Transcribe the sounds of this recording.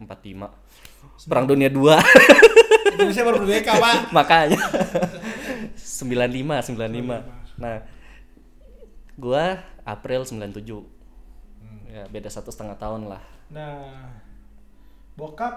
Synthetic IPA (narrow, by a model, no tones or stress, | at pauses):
əmpat̪lima | pəɾaŋdoniadua | s̬abaubekamamakaɲa | səmbilanlimasəmbilanlimanah | ɡuaa̰pɾɪlsəmbilant̪ud͡ʒu | jabedasat̪usə̥t̪əŋaht̪aʊnla̰hna | boka